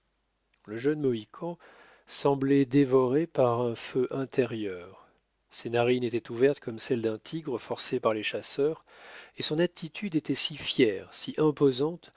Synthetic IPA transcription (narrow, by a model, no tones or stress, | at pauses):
ləʒœnmɔikʰɑ̃ | sɑ̃blɛd̪evɔʁepaʁɛ̃føʔɛ̃t̪ʰeʁjœːʁ | senaʁinet̪ɛt̪uvɛʁt̪kʰɔmsɛld̪ɛ̃t̪ʰiɡʁəfɔʁsepaʁleʃasœːʁ | esɔ̃nat̪ʰit̪ʰyd̪et̪ɛsifjɛːʁsiʔɛ̃pozɑ̃t̪